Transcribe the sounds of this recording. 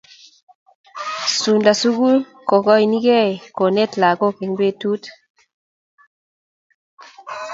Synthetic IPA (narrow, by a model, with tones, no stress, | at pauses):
su˨nda˨su˦ɡu˦l | ko˨kɔ˦i˨ni˦ɡɛ˦˨ko˨ne˦tla˨ɡo˦˨ke˨ŋdwe˦tu˦t